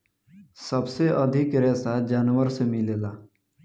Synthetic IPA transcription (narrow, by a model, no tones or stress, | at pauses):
səbseʔəd̪ʱɪkɾɛːsad͡ʒaːnwəɾsemɪleːlaː